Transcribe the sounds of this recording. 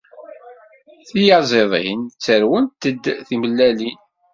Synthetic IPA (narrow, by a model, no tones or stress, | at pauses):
θijɑzˤeðˤḛnt͡sːəɾwənt̪əd̪θiməlːælin